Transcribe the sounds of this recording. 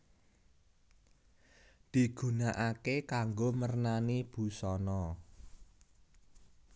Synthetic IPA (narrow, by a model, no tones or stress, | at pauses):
d̪̥i̤ɡ̥ṳnaʔakekaŋɡomərnanib̥ṳsɔnɔ